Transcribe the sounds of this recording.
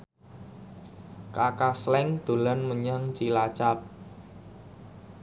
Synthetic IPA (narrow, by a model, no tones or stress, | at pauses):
kakaslɛŋd̪̥o̤lanməɲaŋt͡ʃilat͡ʃap̚